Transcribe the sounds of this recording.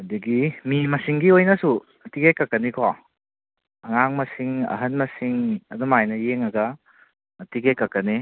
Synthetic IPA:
ɐdɐɡimimɐsiŋɡiojnɐsu | tiɡekːɐkːɐnikʰɔ | ɐŋaŋmɐsiŋɐ̰ɦɐnmɐsiŋɐdumajnɐjeŋɐɡɐ | ɐtiɡekːɐkːɐni

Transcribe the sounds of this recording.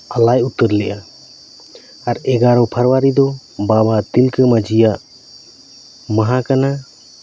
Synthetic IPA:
alajut̪ːəɾlɛʔa | aɾɛɡaɾɔpʰəɾwaɾid̪ɔ | babat̪ilkəmad͡ʒʱija | maɦakana

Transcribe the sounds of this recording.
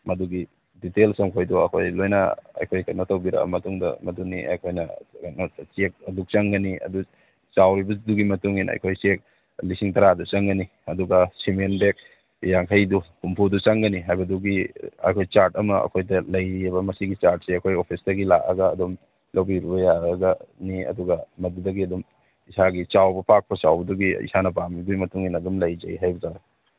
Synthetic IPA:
mɐduɡi | ditelsɐmkʰojduɐkʰojlojnɐ̰ɐ̰jkʰojkɐtnɐtʰɐwbiɾa̰ɐ̰mɐtuŋdɐ̰mɐduniʔɐ̰jkʰojnɐnt͡ʃek̚ɐduk̚t͡ʃaŋɡɐniɐ̰du | t͡ʃawɾibɐduɡimɐtuŋinɐ̰jkʰojt͡ʃek̚ | lisiŋtʰɐɾadut͡ʃaŋɡɐni | ɐduɡɐsimenbek̚ | jaŋkʰɐjdukumpʰudut͡ʃɐŋɡɐniɦajbɐduɡiɐ̰jkʰojt͡ʃaɾtɐmɐɐ̰kʰojdɐlɐjɾiɐbɐmɐsiɡit͡ʃaɾt̚seɐkʰojopʰisdɐɡila̰ʔɐ̰ɡɐːdum | lɐwbiɾubɐjaɐɡɐniɐ̰duɡɐmɐdudɐɡiɐdum | isaɡit͡ʃawbɐpak̚pʰɐsa̰wbɐduɡiḭsanɐpamibɐɡimɐtuŋinɐdumlɐjd͡ʒɐjɦajbɐzaɡa

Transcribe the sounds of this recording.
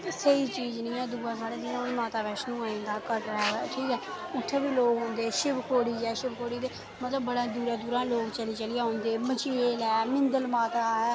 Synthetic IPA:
səiːt͡ʃiːznĩːɛːd̪uːãːsaːɽeːd̪ɪjãːʊnmaːt̪aːʋɛːʃnũːaːĩnd̪aːkət̪ɾaːʋɛːʈʰiːkɛː | ʊt̪ʰːeːbiːloːkɦõːnd̪eːʃɪbkʰoːɽiːd͡ʒɛːʃɪbkʰoːɽiːd̪eː | mət̪ləbːəɽãːd̪uːɾaːd̪uːɾãːloːkt͡ʃəliːt͡ʃəlɪjaːɦõːnd̪eːmət͡ʃiːeːlɛːmɪnd̪əlmaːt̪aːɛː

